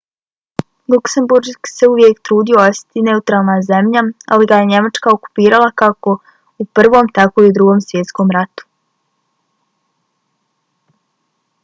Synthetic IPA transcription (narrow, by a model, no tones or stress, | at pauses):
lˠukse̞mbuɾkse̞uʋje̞kt̪ɾuːd̪io̞osi̥t̪ine̞ut̪ɾaːlˠnaze̞mʎaa̰liɡajeɲe̞mat͡ʃkao̞ku̥piːɾalˠakako̞ | upr̩ʋo̞ːmt̪ako̞iud̪ɾuɡo̞ːmsʋje̞t̪sko̞mɾat̪u̥